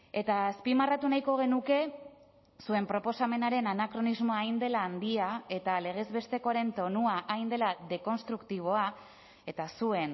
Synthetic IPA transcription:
e̞t̪aːspimarat̪unajko̞ɣ̞e̞nuke̞ | sue̞mpɾo̞po̞same̞naɾe̞nanakɾo̞nizmo̞aːjnd̪e̞laːnd̪iae̞t̪ale̞ɣ̞e̞zβe̞st̪e̞ko̞aɾe̞nt̪o̞nuaʔajnd̪e̞laðe̞ko̞nst̪ɾukt̪iβ̞o̞a | e̞t̪asue̞n

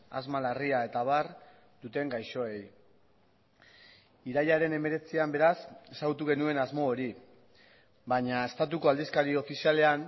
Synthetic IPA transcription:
a̰zmalariae̞t̪aβar | d̪ut̪e̞ŋɡajʃo̞e̞j | iɾajaɾe̞ne̞me̞ɾe̞t͡siambe̞ɾase̞saɣut̪uɣ̞e̞nue̞nazmo̞ːɾi | baɲaest̪at̪̬uko̞ald̪iskaɾio̞fisiale̞an

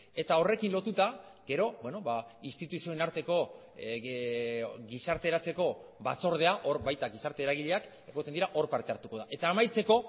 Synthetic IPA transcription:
e̞t̪ao̞re̞kinlo̞t̪ut̪aɡe̞ɾo̞bweno̞βaist̪it̪usio̞enaɾt̪e̞ko̞ | ɡisaɾt̪e̞ːɾat͡se̞ko̞βat͡so̞ɾð̞e̞aʔo̞ɾβajt̪aɡisaɾt̪eɾaɣ̞iʎe̞ak | e̞ɣt̪end̪iɾaʔo̞ɾpaɾt̪e̞aɾt̪uko̞ð̞aʔe̞t̪aːmajt͡se̞ko̞

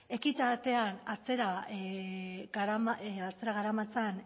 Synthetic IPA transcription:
e̞kit̪at̪e̞anat͡seɾa | ɡɾamat͡se̞ɾaɣaɾamat͡san

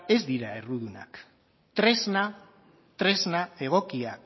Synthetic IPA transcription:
e̞zd̪iɾae̞ruðuna̰k | t̪ɾezna | t̪ɾe̞znae̞ɣ̞o̞kia

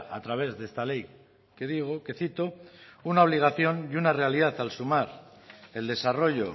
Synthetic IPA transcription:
a̰t̪ɾaβ̞e̞zðest̪ale̞j | ke̞ðiɣ̞oke̞θit̪o̞unao̞β̞liɣ̞aθjo̞njunare̞aliðaθalsumaɾ | e̞ld̪e̞saro̞ʝo̞

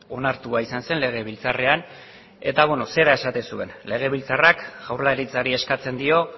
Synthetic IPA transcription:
o̞naɾt̪uaisanse̞nle̞ɣ̞e̞β̞ilt͡sare̞an | e̞t̪aβenose̞ɾae̞sat̪e̞nsue̞nle̞ɣ̞e̞βilt͡sarakɣ̥awɾlaɾit͡saɾie̞skat͡se̞nd̪io̞

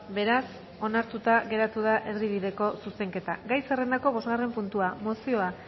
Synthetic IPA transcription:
be̞ɾas | o̞naɾt̪ut̪aɣe̞ɾat̪uð̞aʔe̞ɾriβ̞ið̞e̞ko̞suse̞ŋke̞t̪aɡajsere̞nd̪ako̞β̞o̞zɣare̞mpunt̪uamo̞sio̞a

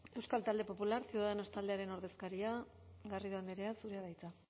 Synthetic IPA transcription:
e̞wskalt̪ald̪e̞po̞pulaɾseuwðaðeno̞st̪ald̪e̞aɾe̞no̞ɾðe̞skaɾia | ɣariðuend̪eɾe̞asuɾeaðajt͡s̪a

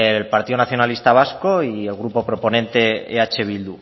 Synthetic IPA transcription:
elpaɾt̪iðonaθjo̞nalist̪aβ̞asko̞ie̞lɣɾupo̞pɾo̞po̞nẽ̞nt̪e̞ḛat͡ʃe̞β̞ild̪u

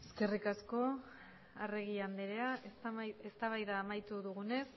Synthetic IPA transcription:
eske̞rikasko̞ | areɣ̞iand̪eɾe̞aʔesaest̪aβajðaːmajt̪uðuɣ̞une̞s

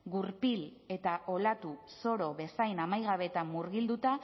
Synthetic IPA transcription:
ɡuɾpil | e̞t̪aʔo̞lat̪u | so̞ɾo̞βe̞sajnamajɣ̞aβe̞t̪amːuɾɣild̪ut̪a

